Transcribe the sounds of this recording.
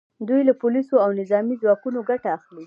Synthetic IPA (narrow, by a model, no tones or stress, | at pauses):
d̪ujlapʊlisoawnɪzɑmizwɑkunoɡaʈaːxli